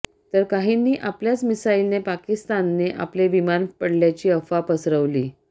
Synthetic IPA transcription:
t̪əɾkaɦinːiːʔapljat͡smisailnepakist̪anːeʔa̰pleʋimanpəɽljat͡ɕiːəfapəsɾəʋliː

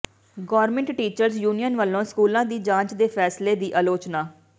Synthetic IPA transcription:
ɡɔːɾmɛ̃ɳʈʈiːt͡ʃəɾzjuːnijənʋəlːõːskuːlãːd̪iːd͡ʒãːt͡ʃd̪eːpʰɛːsleːd̪iːʔəːloːt͡ʃnaː

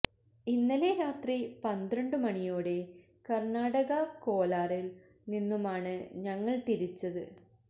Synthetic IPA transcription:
inːɐle̞ɾaːt̪ripɐnd̪ɾɐɳɖɨmɐɳijoːɽe̞ | kɐrɳaːɽɐɣɐko̞ːlaːril | ninːumaːɳɨɲɐŋːɐɭt̪iɾit͡ɕːɐðɨ

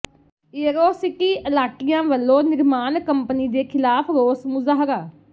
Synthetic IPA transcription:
eːɾoːsɪkiːəlaːʈɪjãːʋəlːõːnɪɾmaːnkəmpəniːd̪eːkʰɪlaːpʰɾoːsmʊzaːɦɾaː

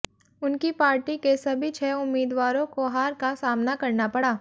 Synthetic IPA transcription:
ʊnkipaːɾʈikesɐbʱit͡ʃʰɛːʊmːiːd̪ʋaːɾõkoɦaːɾkasaːmnakɐɾnapɐɽaː

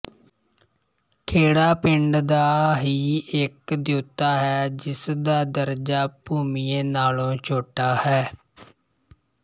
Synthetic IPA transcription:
kʰeːɽaːpɪɳɖd̪aːɦiːɪkd̪joːt̪aːɦɛːd͡ʒɪsd̪aːd̪əɾd͡ʒaːpuːmiːeːnaːlõːt͡ʃʰoːʈaːhɛː

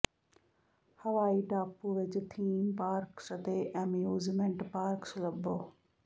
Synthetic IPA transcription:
hɐʋaːiʈaːpːuːʋɪt͡ʃt̪ʰiːmpaːɾksɐt̪eːʔɐmjuːzmẽɳʈpaːɾkslɐbːoː

